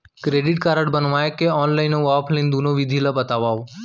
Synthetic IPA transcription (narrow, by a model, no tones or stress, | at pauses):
kɾeːɖɪʈ̚kaːɾəɽbənʋaːekeɔːnlaːɪnoaːpʰləɪnd̪unoʋɪd̪ʱilabət̪aːʋaːo